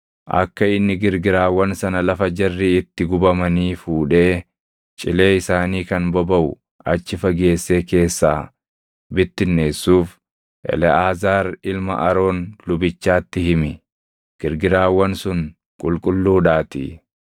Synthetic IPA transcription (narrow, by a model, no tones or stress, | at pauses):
ʔɐ̰kːɐɪnːɪɡɪɾɡɪɾaːwːɐnsɐnɐlɐfɐd͡ʒɛrːɪɪt̪ːɪɡʊbɐmɐniːfuːᶑe̞ː | t͡ʃʼɪle̞ːɪsaːniːkɐnbɔbɐʔʊ | ʔɐt͡ʃːɪfɐɡe̞ːsːe̞ːke̞ːsːa̰ː | bɪt̪ːɪnːe̞ːsːuːf | ʔɛ̰lɛaːzaːɾɪlmɐ̰ʔɐɾo̞ːnlʊbɪt͡ʃːaːt̪ːɪhɪmɪ | ɡ̥ɪɾɡɪɾaːwːɐnsʊn | kʼʊlkʼʊlːuːᶑaːt̪ḭ